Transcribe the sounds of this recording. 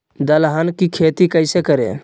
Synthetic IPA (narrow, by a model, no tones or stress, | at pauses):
d̪əlɦankikʰeːt̪ikəɪsekəɾḛ